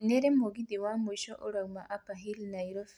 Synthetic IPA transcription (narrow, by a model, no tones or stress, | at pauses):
neɾemoɡid̪iwamuiʃɔʔoɾawmaʔapaɦilnajɾɔf